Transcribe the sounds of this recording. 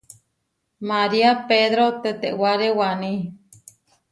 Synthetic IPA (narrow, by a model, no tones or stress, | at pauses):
maɾiapeðɾot̪et̪eʔwaɾewanĩ